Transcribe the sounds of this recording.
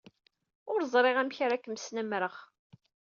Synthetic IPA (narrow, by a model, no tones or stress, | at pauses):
ʊɾzˤɾˤeʁæmçaɾækːəmsnæmɾəχ